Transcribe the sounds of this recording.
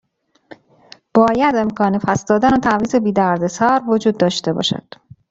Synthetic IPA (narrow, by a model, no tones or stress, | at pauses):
b̥ɒːjæd̪e̞mkʰɒːnefʰæsd̪ɒːd̪ænot̪ʰæviːzebiːd̪æɾd̪e̞sɒːɾvod͡ʒuːd̪̚ːɒːʃt̪e̞bɒ̰ːʃæ̰d̪̥